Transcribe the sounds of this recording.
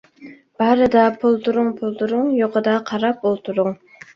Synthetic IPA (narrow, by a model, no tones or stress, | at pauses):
b̥ɑɾɨd̪ɑpʰulˠt̪uɾʊŋpʰulˠt̪uɾʊŋjoqəd̪ɑqʰɑɾɑp̚olˠt̪uɾuŋ